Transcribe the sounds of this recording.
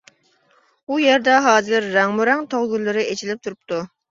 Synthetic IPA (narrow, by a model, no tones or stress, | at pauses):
ujeɾd̪ɛɦɑːzɪɾːæŋmuɾɛŋt̪ʰoʁɡʲylˠːɨɾɪet͡ʃʰilɪp̚t̪ʰuɾup̚t̪u